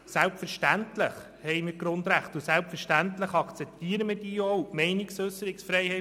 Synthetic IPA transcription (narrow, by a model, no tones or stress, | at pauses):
sælpfəɾʃtænt̪ləχ | hɛɪmiːɾɡ̥ɾʊnd̪ɾæχtʊsælpfəʃtæntləχɑkt͡sɛp̚tiːəɾəməd̥iːjowmɛɪnɪksøsəɾɪksfɾɛɪhɛɪ